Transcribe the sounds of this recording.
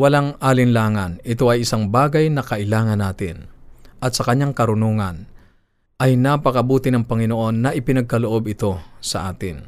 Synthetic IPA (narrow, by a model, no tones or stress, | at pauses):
wɐlaŋaːlɪnlaːŋɐnɪt̪o̞ʔɐjɪsaŋbaːɡɐjnɐkɐʔɪlaːŋɐnːaːt̪ɪ̰nʔɐt̪sɐkɐɲːaŋkɐɾʊnoːŋɐn | ʔɐjnaːpɐkɐbuːt̪ɪnɐŋpɐŋɪnoʔo̞nːɐʔɪpɪnɐɡ̚kɐloʔo̞bɪt̪o̞sɐʔaːt̪ɪ̰n